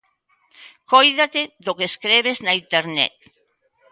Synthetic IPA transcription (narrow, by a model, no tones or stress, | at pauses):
kojðat̪eðokeskɾeβ̞eznaint̪eɾnɛ̰t̪̚